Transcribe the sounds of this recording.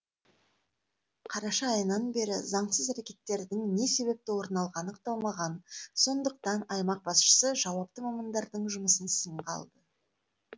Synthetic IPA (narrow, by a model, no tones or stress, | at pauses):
qʰɑɾɑʃɑːjənɑnbe̞ɾɪ̰zɑɴsəzæɾekʲe̞t̪ːe̞ɾd̪ɪŋne̞se̞βe̞p̚t̪ɪwo̞ɾnɑlˠʁɑnəqt̪olˠmɑʁɑnso̞nd̪əq̚t̪ɑnɑjmɑq̚bɑsʃə̥səʒɑwɑp̚t̪əmɑmɑnd̪ɑɾd̪əɴʒʊməsənsəɴqɑ̰lˠd̪ə